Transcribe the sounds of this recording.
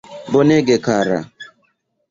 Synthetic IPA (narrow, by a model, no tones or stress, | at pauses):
boneɡekaɾa̰